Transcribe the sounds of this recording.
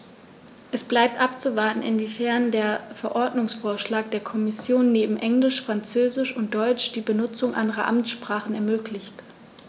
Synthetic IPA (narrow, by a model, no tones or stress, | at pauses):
ʔɛsb̥laɪp̚tʔapt͡suvaɐtn̩ɪ̰nvifɛɐndeːɐfɛɐʔɔɐdnʊŋsfoːɐʃlaːk̚d̥eːɐkʰɔmɪsjoːnːeːbm̩ʔɛŋlɪʃfʁ̥ant͡søːzɪʃʊnt̚d̥ɔʏt͡ʃd̥iːbənʊt͡sʊŋʔa̰ndəʁɐ̰ʔa̰mt͡sʃpʁ̥aːχn̩ɛɐmøːklɪçt